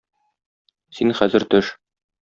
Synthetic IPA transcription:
sinχæzɘ̆ɾt̪ɵʃ

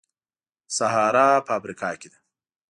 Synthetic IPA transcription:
saɦɑːɾapɐːfɾikɑːked̪a

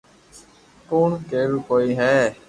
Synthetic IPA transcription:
koːɳkeːɾuːkoːiːɦɛː

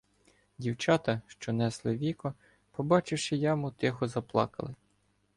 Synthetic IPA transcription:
dʲiwt͡ʃɑt̪ɐʃt͡ʃɔnɛslˠɪʋʲikɔ | pɔbɑt͡ʃɪwʃɪjɑmut̪ɪxɔzɐplˠɑ̰kɐ̰lˠɪ

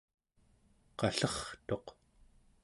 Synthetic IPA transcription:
qɑɬʌχt̪o̞q

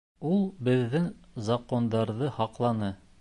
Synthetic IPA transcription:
ulˠbɘ̆ðːɘŋzɐqond̪ɑɾðɤhɑqlˠɑnɤ

